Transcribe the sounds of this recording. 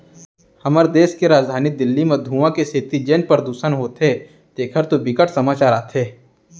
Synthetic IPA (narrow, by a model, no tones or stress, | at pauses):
hɐməɾd̪eːskeɾaːd͡ʒd̪ʱaːnid̪ɪlːimẽd̪ʱuːʋãkeset̪id͡ʒeːnpəɾd̪uːsənɦoːt̪e | d̪eːkʰəɾt̪obɪkəʈʰsɐmaːt͡ʃaːɾaːt̪ʰeː